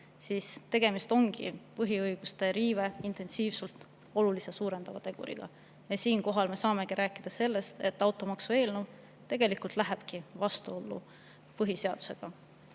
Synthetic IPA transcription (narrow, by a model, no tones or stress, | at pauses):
siːst̪e̞ɡ̥e̞mist̪o̞ŋɡ̥ḭpɤɦiɤjɡ̥ust̪e̞ɾiːve̞int̪e̞nsiːvsult̪ˑ | o̞lulisesuːɾe̞nd̪̥ɑvɑt̪e̞ɡ̥ṵɾḭɡ̥ɑ̰ | jɑsiːnko̞ɦɑlme̞sɑːme̞ɡ̥iɾæːkːˑid̪̥ɑse̞lːe̞st̪e̞̰t̪ːˑɑwt̪ːˑo̞mɑksue̞ːlnuv | t̪e̞ɡ̥e̞likult̪ˑlæɦeb̥kivɑst̪uo̞lːṵ | pɤɦise̞ɑd̪̥u̥se̞ɡ̥ɑ